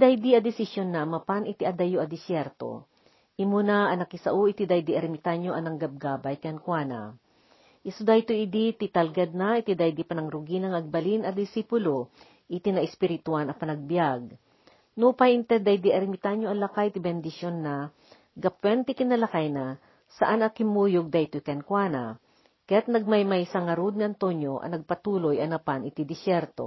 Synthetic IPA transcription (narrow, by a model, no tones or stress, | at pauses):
d̪ajd̪iɐd̪ɪsɪsjonːɐmɐpanɪt̪iʔɐd̪ɐjoʔɐd̪ɪsjɛɾt̪o̰ | ʔimunaʔɐnɐkɪsɐ̰ʔuʔit̪id̪ajd̪iʔɐɾmɪt̪aɲoʔɐnɐŋɡɐb̚ɡaːbɐjkɛnkwaːna̰ | ʔɪsʊd̪ajt̪oid̪it̪it̪ɐlɡad̪̚nait̪id̪ajd̪ipɐnɐŋɾʊɡinɐŋɐɡ̚bɐlinɐd̪ɪsipʊlo | ʔit̪inɐʔɛspɪɾɪt̪ʊanɐpɐnɐɡ̚bjaɡ̚ | nupajɪnt̪ɛd̪ajd̪iʔɐɾɪmɪt̪aɲjoʔɐlɐkajt̪ɪbɛnd̪ɪʃjonːa | ɡɐpwɛnt̪ɪkɪnɐlɐkajna | sɐʔanɐkɪmuːjoɡ̚d̪ajt̪ojkɛnkwanɐ | kɐjat̪̚nɐɡ̚majmajsɐŋɐɾud̪̚ŋɐʔɐnt̪oɲjoʔɐ̰nɐɡ̚pɐt̪uːlojɐnɐpanɪt̪id̪ɪsjɛɾt̪o̰